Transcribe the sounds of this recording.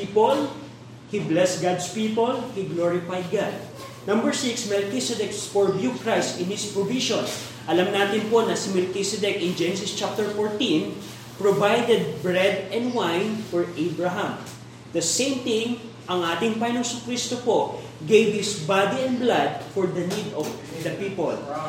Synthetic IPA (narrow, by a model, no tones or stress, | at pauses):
ipol | hiblɛst̪̚ɡad̪spipolhiɡloɹɪfajd̪̚ɡad̪̚ | nɐ̃mbɛɹsiksmɛlkisɛd̪ɛksfɔɹbjukɹajst̪ɪnhɪspɹoviʃõn | ʔɐlamnaːt̪ɪnpo̞nɐsɪmɛlkisɛd̪ɛkʔɪnd͡ʒɛnɛsɪst͡ʃap̚t̪ɛɹfoɹt̪ĩn | pɹovajd̪ɛd̪̚bɹɛd̪̚ɛ̃nd̪wajnfɔɹʔejbɹɐɦɐ̃m | d̪̥ɐsẽjmt̪ɪ̃ŋ | ʔɐŋʔaːt̪ɪŋpajnosʊkɾist̪opoʔ | ɡejbhɪsbad̪iɛ̃nd̪blad̪̚fɔɹd̪ɐnid̪ɔvd̪ɐpiːpol